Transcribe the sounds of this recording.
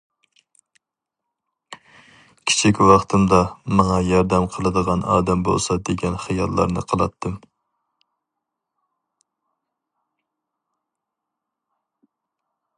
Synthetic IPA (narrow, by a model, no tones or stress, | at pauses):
kʲʰi̥t͡ʃʰikʲwɑχt̪ʰɨmd̪ɑmɑŋɑjɑɾd̪ɛmqʰəlˠɨd̪əʁɑnɑ̰ːd̪ɛmbo̰lˠsɑd̪eɡʲɛnχɨjɑlˠːɑ̰ɾnɨ̰qʰəlˠɑt̪ʰːɨm